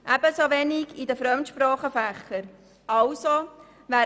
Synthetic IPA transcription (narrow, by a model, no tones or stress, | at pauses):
ʔæb̥əsoʋɛniɡidəfɾœmt̪ʃpɾɑːχəfæχəɾ | ɑlso | ʋæː